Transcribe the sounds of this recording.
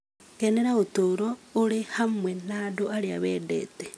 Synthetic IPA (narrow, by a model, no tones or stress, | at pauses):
ɡeneɾautuɾoulehamwenadoaɾjaβedḛte